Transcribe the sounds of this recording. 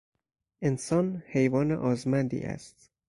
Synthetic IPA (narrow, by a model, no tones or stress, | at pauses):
ʔensɒːnhe̞jvɒːnḛʔɒːzmænd̪ḭːʔæ̰st̪